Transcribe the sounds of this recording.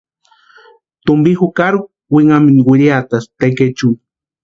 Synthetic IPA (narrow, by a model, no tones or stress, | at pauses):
t̪umbixukaɾuk̚ | wiŋaminwʷiɾiat̪ast̪eket͡ʃu